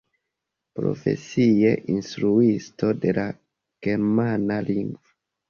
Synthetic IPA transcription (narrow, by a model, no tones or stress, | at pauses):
pɾo̞̰fe̞̰sieʔinstɾuistʰo̞de̞la | ɡ̥e̞ɾmanaliŋɡva